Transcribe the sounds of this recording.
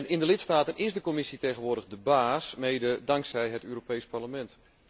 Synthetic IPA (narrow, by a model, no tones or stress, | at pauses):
nɪndəlɪtstaːtənʔɪsdəkomɪsitejɣənʋʊːrdəɣdəbaːsmejdədaŋksɛjɦətøːropejsparləmɛnt